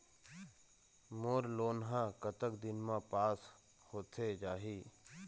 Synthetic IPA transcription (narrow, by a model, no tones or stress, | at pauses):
moːɾloːnɦãːkət̪əkd̪ɪnmãpaːs | hoːt̪ʰed͡ʒaːɦiː